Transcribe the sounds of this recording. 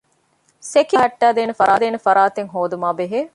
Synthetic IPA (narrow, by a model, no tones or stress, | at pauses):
sekɐɦɐʈːæːd̪eːnefɐɾʔaːd̪eːnefɐɾaːt̪eŋɦoːd̪umaːbeɦeː